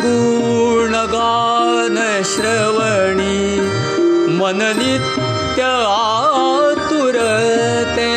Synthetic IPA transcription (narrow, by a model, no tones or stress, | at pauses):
d̪uː | ɾɳɐɡaː | nɐ | ɕɾɐ | ʋɐɳi | mɐnɐli | jɐ | a | t̪uɾɐ | t̪e